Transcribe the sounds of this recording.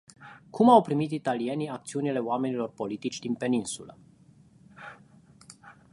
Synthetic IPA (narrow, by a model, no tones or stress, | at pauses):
kumawpɾimit̪it̪alie̞niak̚t̪siunile̞oame̞nilo̞rpo̞lit̪it͡ʃʲd̪inpe̞ninsulə